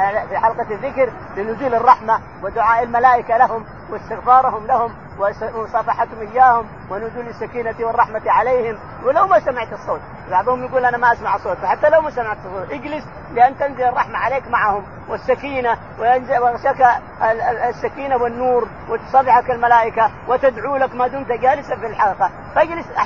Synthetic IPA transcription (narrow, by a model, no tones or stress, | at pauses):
fiħɑlqɑðːɪkɾ | lɪnʊzuːlɪrˤːɑħma | wɪd̪ʊʕaːʔɪlmalaːʔɪkalahʊm | wɪst̪ɪɣfɑːɾˤɑhʊmlahʊm | wɪsˤɑfɑħat̪hʊmʔɪjːaːhʊm | wɪnʊzuːlasːakiːnat̪iwɨrˤːɑħmat̪iʕaleːhɪm | wɪlawmasamɪʕt̪ɨsˤːoːt̪̚ | bɑʕd̪ˤʊhʊmjɪɡuːlʔanamaʔasmaʕsˤːoːt̪wħat̪ːalawmasamaʕt̪ɑsˤːoːt̪ʔɪɡlɪs | lɪʔanːt̪anzɪlɨrˤːɑħmaʕaleːkmaʕahʊm | wɪsːakiːna | wɪʔanzwaɣʃak | sːakiːnawɪnːuːɾ | wɪt̪sˤɑbɪħakalmalaːʔɪka | wɪt̪ad̪ʕuːlakmaːd̪uːmt̪aɡaːlɪsafilħaɡiːqɑ | faʔɪɡlɪsʔa